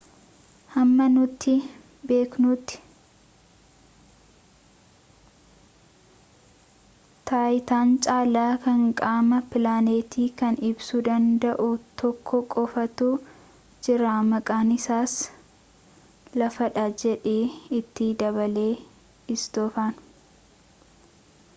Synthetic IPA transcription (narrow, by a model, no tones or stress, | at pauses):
hɐmːɐnʊt̪ːɪ | be̞ːknuːt̪ːɪ̥ | t̪aːjɪt̪aːnt͡ʃʼaːlaːkɐŋkʼaːmɐpɪlaːneːt̪iːkɐnɪbsud̪ɐnd̪ɐʔʊt̪ɔkʰːɔkʼɔfɐt̪ʊ | d͡ʒɪɾaːmɐkʼaːnɪsaːs | lɐfɐᶑad͡ʒɛᶑeːɪt̪ːɪd̪ɐβɐle̞ː | ɪsd̪̥ɔːfaːn